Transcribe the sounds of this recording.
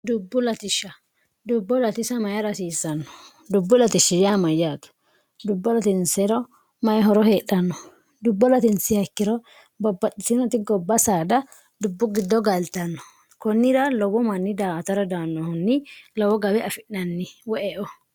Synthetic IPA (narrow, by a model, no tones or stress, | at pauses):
d̪ʊbːʊlɐt̪ɪʃːɐ | d̪ʊbːɔlɐt̪ɪsɐmɐjɐɾɐsiːsːɐnːɔ̥ | d̪ʊbːʊlɐt̪ɪʃːɪjamɐjaːt̪ɐ̥ | d̪ʊbːɔlɐt̪ɪnsɛɾɔ | mɐjɦɔɾɔɦeːɗɐnːɔ | d̪ʊbːɔlɐt̪ɪnsɪhɐkːɪɾɔ | bɔbːɐt̪ʼːɪsɪnɔt̪ɪɡɔbːɐsaːd̪ɐ | d̪ʊbːʊɡɪd̪ːɔɡɐlt̪ɐnːɔ̥ | kɔnːɪɾɐlɔwɔmɐnːɪd̪aːt̪ɐɾɔd̪aːnːɔhʊnːɪlɔwɔɡɐbɛʔɐfɪnnɐnːɪwɔʔɛʔɔ